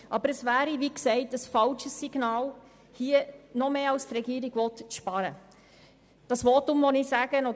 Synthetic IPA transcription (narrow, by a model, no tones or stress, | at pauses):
ʔɑbəɾəsʋæːɾiʋiksɛɪtəsfɑlʃəsːiɡnɑːl | hiːənɔmeːɑlst̪ɾɛɡiːəɾiɡ̥ʋɔt̪ʃpɑɾə | d̥ɑsʋɔtʊmʋɔnisæːɡ̥ənɔ